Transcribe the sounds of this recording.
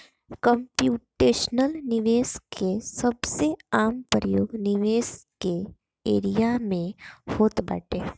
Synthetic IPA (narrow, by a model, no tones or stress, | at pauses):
kə̃mpjuːʈeːʃnəlnɪʋeːskʰesɐbseaːmpɾəjoːɡnɪʋeːske | ḛːɾijamẽhoːt̪bə̰ʈeː